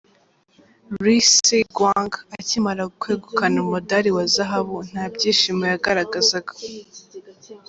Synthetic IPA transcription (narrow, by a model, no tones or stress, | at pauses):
ɾisiɡwaŋɡacimaɾakweːɡukanumodaɾiwazaɦaβun̥haːbɟiːʃimojaɡaɾaɡazaɡa